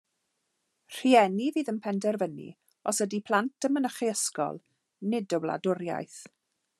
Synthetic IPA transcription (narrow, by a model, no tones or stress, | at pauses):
r̥iɛniviːðənpʰɛndɛrvənḭ | ɔsədipʰl̥ˠant̚əmənəχiəskɔ̰lˠ | nɪdəwlˠa̰dʊɾja̰jθ